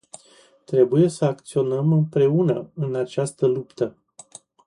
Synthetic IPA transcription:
t̪ɾe̞buje̞səakt̪sio̞nəmɨmpɾe̞unəɨnat͡ʃast̪əlupt̪ə

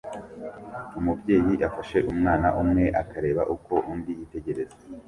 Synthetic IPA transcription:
umubɟe̞ːjiʔafaʃe̞ʔumŋaːnaʔumŋe̞ʔakaɾe̞ːβaʔuko̞ʔundijite̞ɟe̞ɾe̞zee

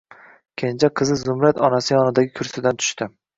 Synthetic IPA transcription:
kʲʰend͡ʒʰaqʰɨzɪzʊmɾat̪ɒnasɪjɒnɪd̪aɡʲɪkʰʊɾsɪd̪ant̪ʰʊ̥ʃt̪ɪ

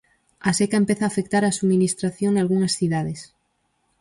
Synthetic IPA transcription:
asekaempeθaːfek̚t̪aɾasuminist̪ɾaθjoŋnalɣuŋasθiðaðes

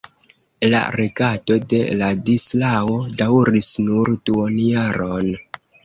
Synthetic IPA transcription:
la̰ɾeɡato̞de̞̰ladislawodawɾisnuɾduonjaɾo̞n

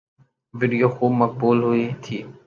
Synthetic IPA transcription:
ʋiːɖijoːxuːbmək̚buːlɦʊiːt̪ʰiː

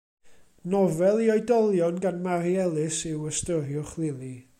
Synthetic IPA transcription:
nɔvɛlˠiɔjdɔlˠjɔnɡanmaɾiɛlˠɨsɪwəstəɾjʊχlˠɪlˠi

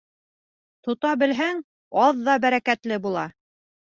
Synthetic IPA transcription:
t̪ŏt̪ɑbɘ̆lɦæŋ | ɑðːɑbæɾækæt̪lɘbulˠɑ

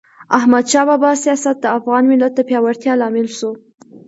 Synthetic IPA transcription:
ahmad̪ʃɑbɑbɑsijɑsat̪̚d̪əafɣɑnmɪlat̪̚d̪əpjɑwaɾt̪jɑlɑmɪlʃu

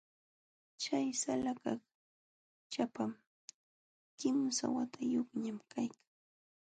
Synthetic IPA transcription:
t͡ʃajsalakak | t͡ʃapam | kɪmsa̰wat̪ʰajoχɲamkʰajkḁŋ

